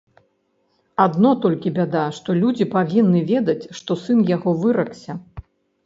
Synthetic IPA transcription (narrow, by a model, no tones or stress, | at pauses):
ad̪nɔt̪ɔlʲkʲibʲad̪aʂt̪ɔlʲud͡zʲipavʲinːɨvʲɛd̪ɐt͡sʲʂt̪ɔsɨnjaɣɔvɨɾɐksʲɐ